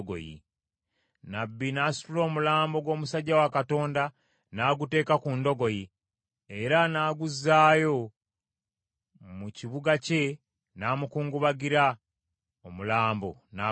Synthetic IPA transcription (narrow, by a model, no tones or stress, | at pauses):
ɡo̰jḭ | nabːinaːsu̥tulo̞ːmulaːmbo̞ɡwo̞ːmusaɟːawakato̞ːnda | naːɡute̞ːkakundo̞ɡo̞ji | eɾanaːɡuzːaːjo̞ | muciβuɡace̞ | naːmukuːŋɡuβaɡiɾa | omulaːmbo̰na